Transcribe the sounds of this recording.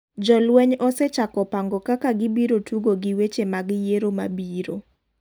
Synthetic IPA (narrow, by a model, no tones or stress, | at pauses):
d͡ʒɔlwɛɲɔsɛt͡ʃakɔpaŋɡɔkakaɡɪbiɾotʰuɡoɡiwet͡ʃemaɡjeɾomabiɾo̰